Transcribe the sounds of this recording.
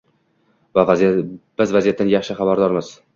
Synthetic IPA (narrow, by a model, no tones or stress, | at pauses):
vavb̥ɪzvazijat̪ːanjɑχʃɪχabaɾd̪ɒɾmɪz̥